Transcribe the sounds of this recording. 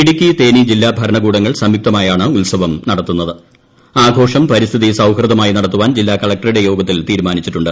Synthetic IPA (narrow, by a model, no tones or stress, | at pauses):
piɽikʲːit̪e̞ːnid͡ʑilːaːbʱɐɾɐɳɐɡuːɽɐŋːɐɭsɐmjuk̚t̪ɐmaːjaːɳɨulsɐʋɐmnɐɽɐt̪ːunːɐðɨ | aːɡʱo̞ːʂɐmpɐɾist̪ʰiðisɐwhrɨd̪ɐmaːjinɐɽɐt̪ːuʋaːnd͡ʑilːaːkɐɭɐk̚ʈɐriɽe̞jo̞ːɡɐt̪ːilt̪iːɾumaːnit͡ɕːiʈːuɳɖɨ